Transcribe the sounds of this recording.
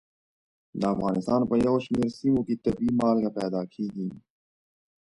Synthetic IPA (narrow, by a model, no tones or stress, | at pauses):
d̪aːfɣaːnɪst̪aːnpɐjoːɕmeːɾsimõkit̪ɐbiːmaːlɡapɛːd̪aːkʰiːɡiː